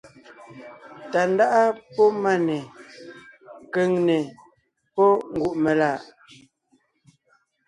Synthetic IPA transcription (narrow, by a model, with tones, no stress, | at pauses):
ta˨n˦da˦ʔa˦pɔ˦ma˦˨nɛ˨ | ke˨ŋnɛ˨ | pɔ˦ŋ̩˦ɡu˨ʔmɛ˨laː˦˨ʔ